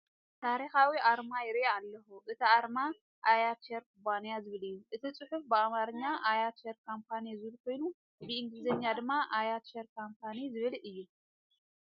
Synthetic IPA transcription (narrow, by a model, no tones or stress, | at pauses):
t̪ʰaɾixawiʔaɾmajɪɾealːɐxuʔɨt̪ʰiaɾma | ʔajat̪ʃeɾkubanijazɨβɨlɨjːuʔɨt̪ʰit͡sʼɨħufbɨamaɾɨɲːaʔajat̪ʃeɾkʰompʰanizɨβɨlkʰo̞jnu | bɨɨŋɡlɨzɐɲːad̪ɨmːaʔajat̪ʃeɾkʰompʰanizɨβɨlɨjːu